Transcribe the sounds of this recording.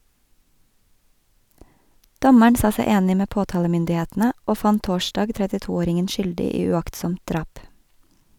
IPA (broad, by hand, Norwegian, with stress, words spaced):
ˈdɔməɳ ˈsɑː ˈsɛ ˈeːnɪ ˈmeː ˈpoːˌtɑːləmʏndɪˌheːtn̩ə ˈoː ˈfɑn ˈtoːˌʃtɑːɡ tɾɛtɪˈtuːˌoːɾɪŋən ˈʃʏldɪ ˈiː ʉˈɑktsɔmt ˈdɾɑːp